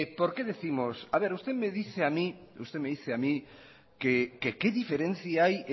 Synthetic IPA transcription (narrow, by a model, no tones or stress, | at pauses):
poɾkeðeθimosaβeɾust̪emeð̞iθeamĩ | ṵst̪emeðiθeamĩ | kekekeðifeɾẽn̟θjaaj